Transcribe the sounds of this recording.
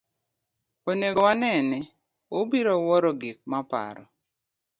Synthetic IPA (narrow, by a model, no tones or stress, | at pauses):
oneɡɔwanɛnɛ | obiɾɔwɔɾɔɡik̚mapa̰ɾɔ̰